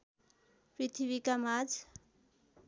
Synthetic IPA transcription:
pɾit̪ʰiβikamad͡z

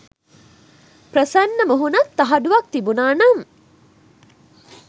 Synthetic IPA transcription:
prəsɐnːəməɦunɐt̪ːɐɦɐɖuʋɐk̚t̪ibunaːnɐm

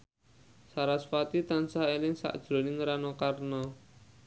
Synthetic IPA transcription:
saɾasfat̪it̪ansaelɪŋsa̰ʔd̥ʒ̥ɾo̤nɪŋɾanɔkarnɔ

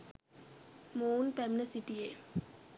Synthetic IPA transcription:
moːnpɛmnɐsiʈːie

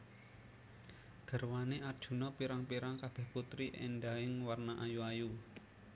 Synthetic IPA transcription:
ɡ̥ə̤rwaneard̥ʒ̥ṳnɔpiɾaŋpiɾaŋkab̥ɛ̤hput̪ɾiʔɛ̰nɖaɪŋwarnaʔajuaju

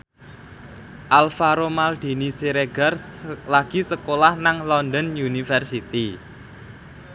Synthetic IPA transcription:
ʔalfaɾomald̪̥i̤nisiɾeɡarlaɡ̥i̤səkolahnaŋlɔnd̪ənjunifɛrsit̪i

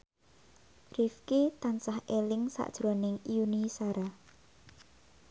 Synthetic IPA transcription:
rifket̪ansahelɪŋsa̰ʔd̥ʒ̥ɾɔnɪŋjunisaɾa

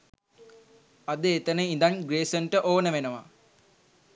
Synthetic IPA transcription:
ad̪əːt̪ənəind̪anɡɾeːsəɳʈəʔoːnəʋenəʋa̰

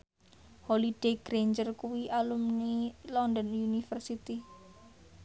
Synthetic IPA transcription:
holid̥eɡ̥ɾeɲd͡ʒərkuwiʔalumnilɔndɔnjunifərsit̪i

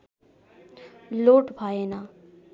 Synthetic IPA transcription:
loːʈbʱajena

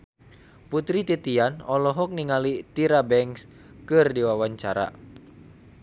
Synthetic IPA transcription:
put̪ɾit̪it̪ianɔlɔɦɔk̚niŋalit̪iɾabɛŋs | kɨrdiwawaɲt͡ʃaɾa̰

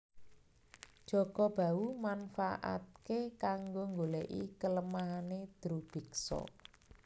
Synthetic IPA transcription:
d̥ʒ̥ɔɡ̥ɔb̥a̤umanfaʔa̰t̪̚kekaŋɡoŋɡoleʔḭkələmaɦaned̪̥ɾub̥i̤ksɔ̰

